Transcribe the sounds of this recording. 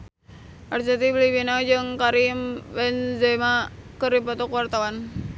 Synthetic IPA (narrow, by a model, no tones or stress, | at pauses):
ʔarsat̪iblibinad͡ʒɨŋkaɾimbɛnzamakəɾipɔt̪ɔkuwart̪awan